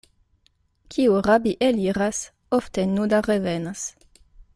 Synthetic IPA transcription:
kʰʲiuʁabiʔeliɾas | oft̪enud̪arevenas

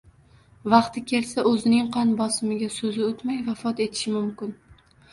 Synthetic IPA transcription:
vɑqt̪ʰɪkʲʰe̞lsaʔɵzɪnɪŋqʰɑnbɒsɪmɪɡʲasɵzɪot̪majvafɒt̪e̞t̪ʰɪ̥ʃɪmʊmkʲɪn

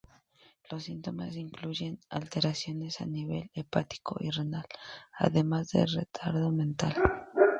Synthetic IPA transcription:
lo̞sːint̪o̞masiŋkluʝe̞na̰lt̪e̞ɾasjo̞ne̞saniβe̞̰le̞pat̪i̥ko̞ʔirenala̰ðe̞mazðe̞̰lre̞̰t̪ʰaɾðo̞mẽ̞nt̪al

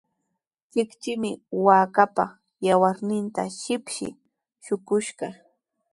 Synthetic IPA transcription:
t͡ʃɪkt͡ʃɪmɪwaːkapa | jawaɾnɪnt̪a̰ʃɪpʃɪ̰ | ʃʊkʊʃɢɑ

